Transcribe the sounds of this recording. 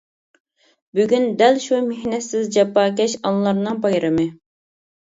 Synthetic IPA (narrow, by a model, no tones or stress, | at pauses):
byɡʲynd̪ɛlʃumehnɛt̪sɪzd͡ʒɛpːɑːkʲɛʃɑnlˠɑɾnɨŋpɑjɾɨmɨ